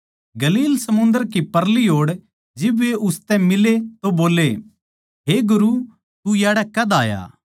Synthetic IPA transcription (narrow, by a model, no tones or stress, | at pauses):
ɡɐliːlsɐmʊ̃nd̪əɾk̬ipɐɾliɦoːɽ | d͡ʒɪbʋeʔʊst̪ɛ̃mɪlet̪oboːle | ɦeɡʊɾu | t̪ujaːɽɛkɐd̪aːja̰ː